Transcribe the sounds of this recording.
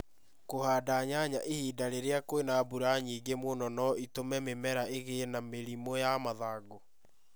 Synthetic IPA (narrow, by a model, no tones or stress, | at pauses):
kohaːdaɲaɲaʔehiːdaɾeɾeakwenabuɾaɲiːɡemonɔnɔitomɛmemɛɾaeɣenameɾimojamaðaːɡo